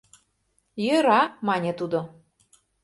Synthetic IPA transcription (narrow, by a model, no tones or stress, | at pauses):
jɤɾɑmɑnʲet̪ud̪o